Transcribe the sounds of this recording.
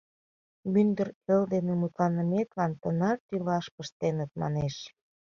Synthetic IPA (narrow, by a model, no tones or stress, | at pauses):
mynd̪əreld̪enemut̪lɑnəmet̪lɑnt̪ənɑrt̪ylɑʃpəʃt̪enət̪̚mɑ̰neʃ